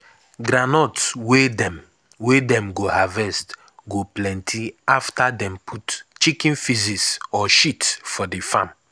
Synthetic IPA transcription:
ɡɾanɔtswedɛ̃m | wedɛ̃mɡohavɛst | ɡoplɛ̃ntʰiaftadɛ̃mpʰutt͡ʃikĩnfizisɔʃitfɔdefãm

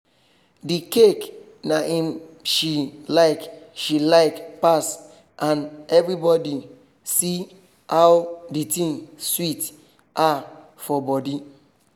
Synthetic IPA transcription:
dikek | naĩmʃilaɪkʃilaɪkpas | ʔãnɛvɾibɔdi | si | hawditĩŋswit | a | fɔbɔdi

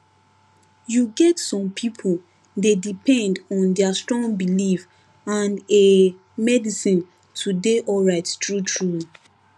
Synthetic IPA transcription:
juɡɛtsɔ̃mpʰipʰol | dedipʰɛ̃ndɔ̃ndɛastɹɔ̃ŋɡbilif | ãne | mɛdisĩn | tʰudeʔɔlɹaɪttɹutʰɹu

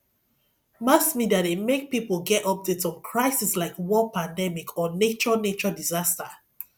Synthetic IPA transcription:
masmidademek̚pipolˠɡɛtɔp̚detsɔ̃nkʰɹaɪsislaɪkwɔpãndɛmikʰɔnet͡ʃɔnet͡ʃɔdizasta

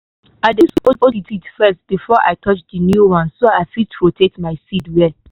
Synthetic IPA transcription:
aɪdesopoititfɛst̚b̥ifɔʔa̰ɪkʰɔt͡ʃdənjuwãnsːoaɪfitɹotʰetmaɪsidwɛ

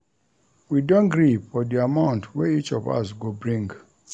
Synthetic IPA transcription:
widõnɡɹiɔdiamãʊ̃ntʰwɛit͡ʃɔ̰va̰sɡobɹĩŋɡ

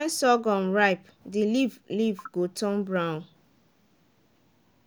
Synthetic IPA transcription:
nsɔɡɔ̃nɹaɪp | dilivlivɡotʰɔ̃nbɹãʊ̃n

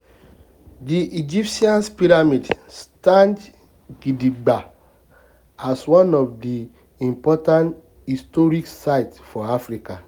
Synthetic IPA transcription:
diʔid͡ʒipsiãnspiɾamidstãnd | ɡidiɡ͡ba | aswɔ̃nɔfdi | ĩmpɔtãnt | histɔɹiksaɪtfɔafɹika

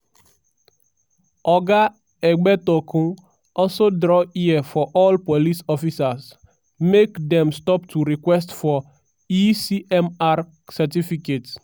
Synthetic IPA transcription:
ʔɔɡa | ɛɡ͡bɛtɔkʰũŋ | ɔlsodɾɔiɛfɔʔɔlpolisɔfisas | mekdɛ̃mstɔptʰuɾikwɛstfɔ | isiʔɛmaɾ | sɛtifiket

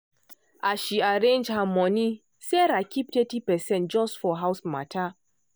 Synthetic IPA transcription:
ʔaʃiaɾẽnd͡ʒhamɔni | seɾakip̚tɛtipɛsɛ̃nt̚d͡ʒɔsfɔɦawsma̰tʰa

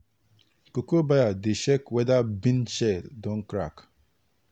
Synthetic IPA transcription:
kokobajadeʃekwedabinʃɛldɔŋ̩kɾa̰k

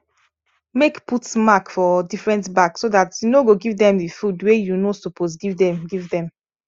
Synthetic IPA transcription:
mekputmakfɔdifɹɛ̃ntbaksodatjunoɡoɡivdɛ̃mdifudwejunosopʰos̬ɡivdɛ̃mɡivdɛ̃m

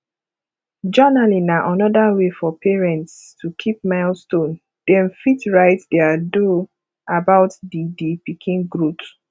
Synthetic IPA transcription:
d͡ʒanalinaʔanɔdawefɔpʰɛɹɛ̃ntstʰukʰip̚maɪlstõn | d̥ɛ̃nfitɹaɪtdɛado | abaʊtdidipikʰĩnɡɹup

